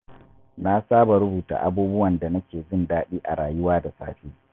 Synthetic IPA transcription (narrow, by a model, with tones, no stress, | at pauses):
na˦saː˦ba˨ɾʊ˦buː˨ta̰ː˨ʔa̰˦˨buː˦bʊ˦wɐ˨nda˨nɐ˦kʲeː˨zɪ˦˨ndaː˦ɗiː˦ʔa̰˨ɽaː˨jʊ˦waː˦da˨sa̰ː˦ɸiː˦